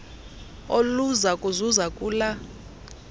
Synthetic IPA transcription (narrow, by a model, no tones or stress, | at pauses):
oluzakʼuzuzakʼuːla